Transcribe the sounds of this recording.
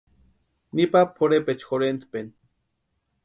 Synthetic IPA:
nipapʰoɾepet͡ʃxoɾent̪pen

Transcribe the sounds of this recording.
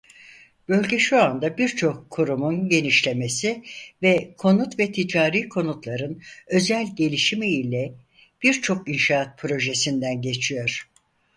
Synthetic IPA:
b̥ø̞lʲɟɛʃuand̪abiɾt͡ʃʰo̞kʰːuɾumunɟe̞niʃlʲe̞me̞sivɛkʰo̞nut̪vɛt̪ʰid͡ʒaːɾiːkʰo̞nut̪lˠaɾɯnø̞zælʲɟe̞lʲiʃimiilʲɛ | b̥iɾt͡ʃʰo̞kinʃaːat̪̚pʰɾo̞ʒe̞sind̪ænɟe̞t͡ʃʰijo̞ɾ̥

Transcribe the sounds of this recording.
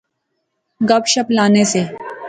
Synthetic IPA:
ɡɐbʃɐplaːneseː

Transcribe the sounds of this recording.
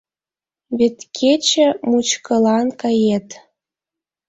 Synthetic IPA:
βet̪kʰet͡ɕə̆mut͡ɕkɤ̆lɑnkɑjet̪

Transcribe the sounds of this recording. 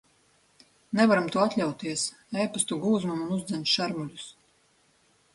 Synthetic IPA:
nɛvaɾamt̪uɔat̪lʲawt̪iɛs | ɛjpast̪uɡuːzmumunuzd̪zɛnʃaɾmulʲus

